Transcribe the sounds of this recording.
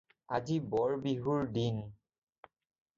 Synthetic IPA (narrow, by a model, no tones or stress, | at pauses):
azibɔɹbiɦuɹdin